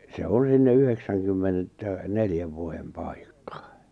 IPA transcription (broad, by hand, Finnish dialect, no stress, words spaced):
se on sinːe yheksæŋkymːenetːæ neljæʋ ʋuojem pɑˑikːɑ